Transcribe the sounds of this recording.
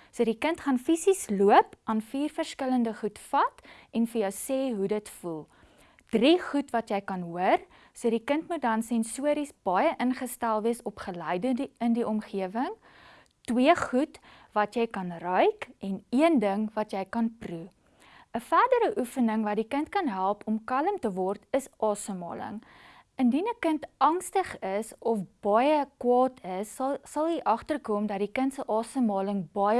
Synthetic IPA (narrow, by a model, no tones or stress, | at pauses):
suədikəntχɑnfisisluəpʔɑːnfiːrfərskələndəχutfɐtɛnfəjəwseɦudətfulˠ | d̥riχutvɐtjɛjkɐnɦuər | suədikəntmut̚dɐnsɛnsuəɾisb̥ɐjəʔənχəstælˠviəsɔpχəlɛjdəəndiʔɔmχiəvəŋ | twiəχut | vɐtjɛjkɐnrœɥkʔɛniəndəŋvɐtjɛjkɐnpru | əfærdəɾəʔufənəŋvɐdikəntkɐnɦælˠpɔmkɐləmtəvɔrtəsʔɑːsəmɑːlə̰ŋ | əndinəkəntɐŋstəχəsɔfb̥ɑjəkwɑːtʰəsːɐlˠɦiʔɐχtərkɔmdɐtdikəntsəʔɑːsəmɑːləŋbɑjə